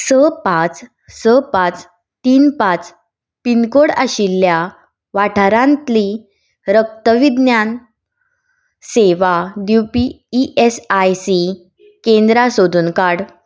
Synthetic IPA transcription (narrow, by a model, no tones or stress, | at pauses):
səpat͡s | səpat͡s | t̪iːnpat͡s | pinkoɽaɕilːja | ʋaʈʰaɾãnt̪li | ɾək̚t̪əʋid̪njan | seʋadjupiː | ʔesajsi | kẽnd̪ɾasod̪unkaɽ